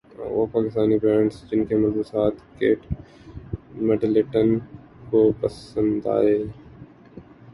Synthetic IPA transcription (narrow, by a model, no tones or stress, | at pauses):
ʊ̰paːkɪst̪aːnibɾɛːɳɖsd͡ʒɪnkʰemɐɾzusaːt̪keːʈ | meɖleʈən | kopɐsə̃nd̪a̰ːɦeː